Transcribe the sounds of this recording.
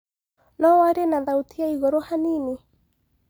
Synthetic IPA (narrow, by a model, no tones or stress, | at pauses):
nɔwaɾenaðaut̪ijaiɣɔɾohanini